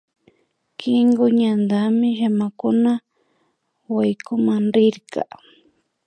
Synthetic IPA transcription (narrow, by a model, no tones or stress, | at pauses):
kɪŋɡʊɲand̪amɪʃamakʊna | wajkʊmanɾɪɾka̰